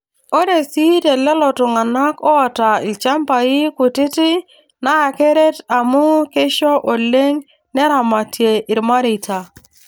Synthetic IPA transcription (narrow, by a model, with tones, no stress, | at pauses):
o˦ɾe˨si˦te˨lɛ˦lɔ˨tʊ˨ŋa˨na˦kɔ˦ɔ˨ta˨i˨t͡ʃa˦mpa˨i˦kʊ˨tɪ˦tɪ˦ | na˦a˨ke˦ɾe˦ta˨mʊ˦ke˦ʃɔ˦ʔo˨le˦ŋ | nɛ˦ɾa˨ma˨tje˨ʔɪ˨ɾma˦ɾi˨ta˨